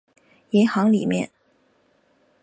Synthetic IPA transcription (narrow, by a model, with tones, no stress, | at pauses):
ɛ˧˥nxɑ˧˥ŋli˨˩mjɛ̰˥˩n